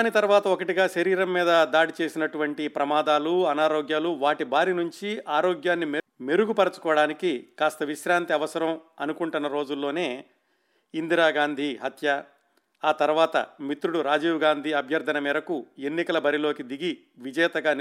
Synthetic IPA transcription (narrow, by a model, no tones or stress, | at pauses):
nit̪ɐɾʋaːt̪ɐokɐʈiɡaːʃɐɾiːɾɐmːiːd̪ɐd̪aːɽit͡ʃeːsinɐʈuʋɐɳʈipɾɐmaːd̪aːluɐnaːɾoːɡjaːluʋaːʈibʱaːɾinuɲt͡ʃiʔaːɾoːɡjaːnːimme̞ɾuɡupɐɾɐt͡ʃu̥kɔːɐɽaːnikikaːst̪ɐʋiʃɾaːnt̪iɐʋɐsɐɾɐmɐnukuɳʈunːɐɾo̞ːd͡ʒulːo̞ːne̞ː | ind̪iɾaːɡaːnd̪ʱiɦɐt̪jɐ | aːt̪ɐɾuʋaːt̪ɐ̰mit̪ɾuɽuɾaːd͡ʒiːwɡaːnd̪ʱiɐbʱjɐɾd̪ʱɐnɐmiːɾɐkuenːikɐlɐbɐɾilo̞ːkid̪iɡi | ʋid͡ʒɐjɐt̪ɐɡaːn